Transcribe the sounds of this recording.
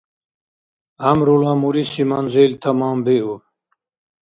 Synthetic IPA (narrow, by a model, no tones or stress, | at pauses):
hɐmɾulaːmuɾisimanzilt̪ʰɐmɑːmbiu